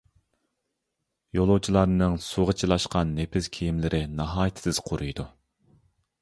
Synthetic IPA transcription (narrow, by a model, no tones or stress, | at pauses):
jolˠuwt͡ʃʰilˠɑɾnɨŋsuʁət͡ʃʰilˠɑʃqɑnːepʰɪskʲʰijimlɪɾʔɪnɑɦɑːjt̪ʰɪ̥sɪz̥qʰoɾujd̪u